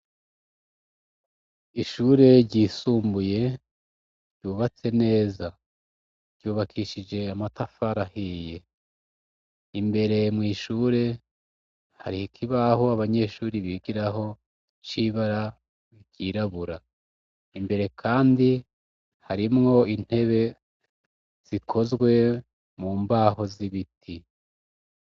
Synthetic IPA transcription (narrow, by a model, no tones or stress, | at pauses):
iʃuːɾe̞ɾɟiːsuːmbuje̞ | ɾɟjuːβat͡se̞ne̞ːza | ɾjuːβakʰiʃid͡ʒe̞amatafaɾahije̞ | imbe̞ɾe̞mŋiːʃuːɾe̞ | ha̰ɾihikʰiβahoaβaɲe̞ːʃuːɾiβiɡiɾaɦo̞ | t͡ʃiβaɾa | iɟiɾaβuɾa | imbe̞ɾe̞kʰaːndi | haɾimŋo̞in̥he̞βe̞ | z̥ikʰo̞zɡwe̞ | muːmbaːho̞ziβitʰi